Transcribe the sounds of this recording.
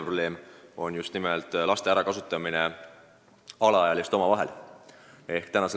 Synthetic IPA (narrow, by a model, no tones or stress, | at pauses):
prob̥le̞ːmo̞njust̪nimelt̪ˑlɑst̪e̞æɾɑkɑsut̪ːˑɑmine̞ | ɑlɑɑjɑlist̪o̞mɑvɑɦe̞̰l | e̞hkt̪ænɑse